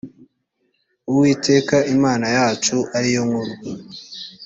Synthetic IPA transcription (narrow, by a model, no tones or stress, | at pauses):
uwiːtʰe̞ːkaʔimaːnajaːt͡ʃuʔaɾijoŋɡoɾu